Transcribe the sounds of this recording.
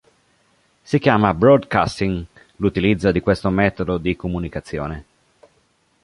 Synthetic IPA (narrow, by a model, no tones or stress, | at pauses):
sik̟jaːmabɾɔd̪ka̰st̪iŋ | lut̪ilid̪zːad̪ikwest̪omɛːt̪od̪od̪ikomunikat̪sːjo̰ːne